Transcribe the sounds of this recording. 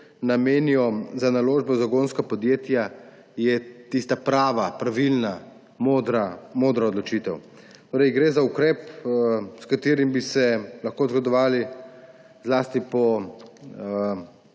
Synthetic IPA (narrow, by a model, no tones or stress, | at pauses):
nameːniɔzanaloːʒbɔzaɡonskapɔd̪jeːt̪ja | jɛt̪ist̪apɾaːʋapɾaʋilna | mod̪ɾamoːd̪ɾaɔd̪lɔt͡ʃiːt̪ɛw | t̪oːɾɛɪɡɾezaukɾɛːp | skat̪eːɾimbisɛlaxkozɡɔd̪ɔʋaːli | zlaːst̪ipɔ